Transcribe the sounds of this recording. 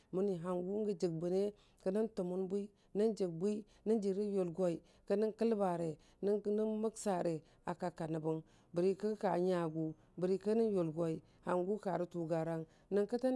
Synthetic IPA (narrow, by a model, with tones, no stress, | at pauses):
mu˦ni˨ɦa˨ŋɡu˦ŋɡə˨d͡ʒi˨ɡ̚bu˨ne˦ | kə˦nə˦ntu˨mu˦nbu˦i˦ | nə˦nd͡ʒə˨ɡ̚bu˦i˦ | nə˦nd͡ʒi˨ɾi˦jo˨lɡo˦i˨ | kə˦nə˦ŋkə˦lba˨ɾe˨ | nə˦nə˦nmə˦ksa˨ɾe˨ | a˨ka˨ka˨nə˨bu˦ŋ | bə˨ɾi˦kə˦ka˨ɲa˨ɡu˨ | bə˨ɾi˦kə˦nə˦njo˨lɡo˦i˨ | ha˨ŋɡu˦ka˨ɾi˦tu˨ɡa˨ɾa˦ŋ | nə˦ŋkə˦ta˦